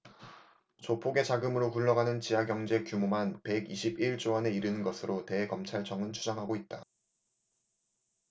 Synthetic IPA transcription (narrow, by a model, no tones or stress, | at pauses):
t͡ɕopʰoɡe̞t͡ɕaɡɯmɯɾokuɭːʌɡanɯnt͡ɕijaɡjʌŋd͡ʑe̞kjumomanpe̞ɡiɕʰibiɭt͡ɕ͈oɦʌne̞iɾɯnɯnɡʌsʰɯɾʔote̞kʌmt͡ɕʰaɭt͡ɕ͈ʰʌŋɯnt͡ɕʰud͡ʑʌŋɦaɡoit̚t͈a